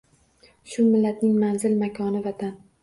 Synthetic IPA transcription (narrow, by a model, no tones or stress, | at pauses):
ʃʊmɪlːat̪nɪŋmanzɪlmakʰɒnɪvat̪ʰan